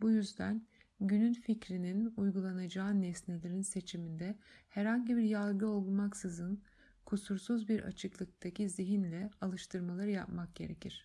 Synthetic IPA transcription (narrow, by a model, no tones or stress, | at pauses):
bujyzd̪æn | ɟynynficɾininujɡulˠanad͡ʒaːnɛsne̞lʲeɾinse̞t͡ʃʰimind̪ɛhɛɾhaɲɟibiɾjalˠɡɯo̞lˠɡumaksɯzɯn | kʰusuɾsuzbiɾʔa̰t͡ʃʰɯklˠɯk̚t̪ʰacʰiziɦinlʲɛalˠɯʃt̪ʰɯɾmalˠaɾɯjapmak̚ɟ̥e̞ɾecʰiɾ̥